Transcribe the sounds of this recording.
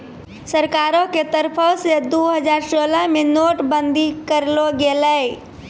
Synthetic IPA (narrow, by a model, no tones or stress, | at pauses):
səɾkaɾõket̪əɾpʰəsed̪uɦəd͡ʒaɾsoləɦmenoʈbənd̪ʱikəɾloɡelə